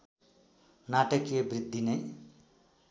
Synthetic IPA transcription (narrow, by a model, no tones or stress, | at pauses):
naʈʌkijebrid̪̚ːine